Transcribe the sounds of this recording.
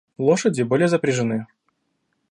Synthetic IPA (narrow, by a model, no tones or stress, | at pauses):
lˠoʂədʲɪbolʲɪjəzəpɾʲɪʐɨnɨ